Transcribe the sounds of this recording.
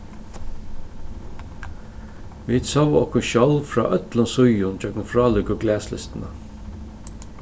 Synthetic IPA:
ʋiːd̪sɔwʔɔhkʊnʃɔlfɾa̰ːʔœt̪lʊnsʊjʊnt͡ʃœknfɾɑːlʊkʊɡlæːslɪ̰st̪ɪna

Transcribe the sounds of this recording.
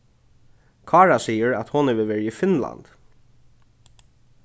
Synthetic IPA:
kʰɑːɹasiːəɹæt̪hɔnəʋəʋeːɹɪifɪnla̰nt̪

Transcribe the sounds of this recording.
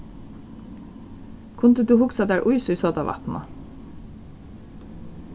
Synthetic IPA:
kʰʊnd̪əd̪ʉːhʊksɑd̪æːɹʔʊʏsʉʏsoːd̪ɑ̰ːʋʔɑ̰t̪n̩ʔɑ̰

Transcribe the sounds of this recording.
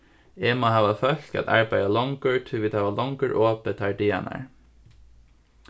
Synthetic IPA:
eːmɑhɑːʋɑfœçkɑ̰t̪æ̰ɹbæɪɑlɔŋɡøɹt̪ʰʉʋɪd̪hɑːʋɑlɔŋɡøːɹʔoːpət̪ʰæɹɖiɛ̰nʔæ̰ɹ

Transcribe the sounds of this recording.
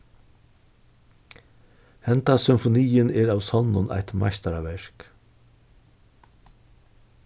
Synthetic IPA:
hɛnt̪asʏmfʊnijɪnɛːɹaːwsɔnːʊnʔa̰jht̪ma̰jst̪aɾaʋɛɹ̥k

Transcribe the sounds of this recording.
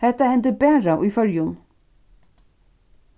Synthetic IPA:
hɛht̪ːahɛnt̪əbɛːɾaʔujfœɾjʊn

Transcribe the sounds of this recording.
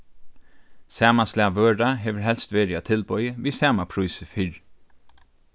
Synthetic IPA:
sæːmaslæːʋøːɖɑɦeːʋəɹhɛlst̪ʋeːɾɪɑt̪ʰɪlbœʏəʋiːsæːmapʰɹusəfʏɹ

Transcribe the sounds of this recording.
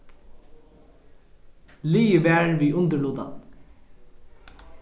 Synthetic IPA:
liːəʋɛːɹʋiːʔʊnd̪əɭuːd̪a̰n

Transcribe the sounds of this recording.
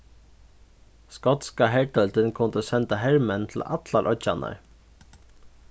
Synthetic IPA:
skɔt̪skɑɦæʈœlt̪ənkʰʊnd̪əsɛnt̪ɑɦɛɹmənt̪ʰl̩ɑ̰t̪lɑɾʔœc͡çɑnə̰ɾ

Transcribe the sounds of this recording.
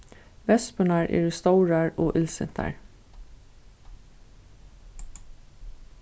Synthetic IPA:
ʋɛspʉnæɹʔḛːɹst̪ɑʉɹæɹoːʔɪlsɪ̰nt̪ʰæ̰ɹ

